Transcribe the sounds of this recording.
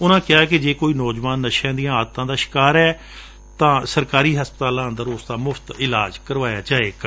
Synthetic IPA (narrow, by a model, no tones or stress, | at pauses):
ʊnãːkɪaːɛked͡ʒeːkoːiːnɔːd͡ʒʋaːnːəʃãːd̪ijãːaːd̪t̪ãːd̪aːʃɪ̥kaːɾɛː | t̪ãːsəɾkaːɾiːɦəspət̪aːlãːə̃nd̪əɾʊːsd̪aːmʊfʰt̪ɪlaːd͡ʒkəɾʋaːja̰ːd͡ʒaːeːk